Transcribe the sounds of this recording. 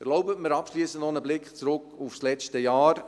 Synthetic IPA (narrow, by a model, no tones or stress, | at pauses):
əɾloʊbətməɾɑpʃliːsəntnɔnəblɪkt͡sɾʊkufslɛt͡ʃtəjaːɾ